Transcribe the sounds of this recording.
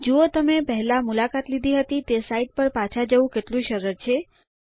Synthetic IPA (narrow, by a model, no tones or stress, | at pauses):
d͡ʒuot̪əmepəɦɛlãmulakat̪lid̪ʱiɦət̪it̪esaiʈ̚pəɾpat͡ʃʰad͡ʒəʋũkeʈlũʃəɾəɾt͡ʃʰe